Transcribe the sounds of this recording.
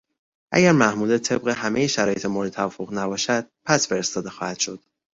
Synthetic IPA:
ʔæ̰ɟæɾmæhmuːlet̪ʰe̞b̚ɣe̞ɦæmejeʃæɾɒːje̞t̪ʰemoɾd̪et̪ʰævɒfoɣnæbɒːʃæd̪̥̚pʰæsfe̞ɾest̪ɒːd̪e̞xɒːhæd̪̥ʃo̞d̪̥

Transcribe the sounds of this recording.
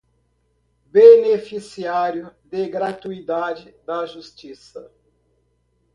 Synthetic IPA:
benefisiaɾjʊd̪eɡɾat̪uid̪ad͡ʒɪd̪ɐʒust͡ʃisɐ

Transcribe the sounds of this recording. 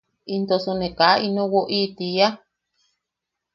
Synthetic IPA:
int̪osunẽkaʔinõwoʔit̪ija

